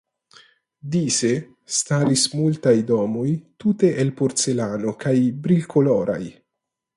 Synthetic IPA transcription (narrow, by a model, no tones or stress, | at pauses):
d̪ise | st̪aɾismult̪ajdɔmojt̪ut̪e̞ʔelpoɾselanokajbɾilkoloɾa̰j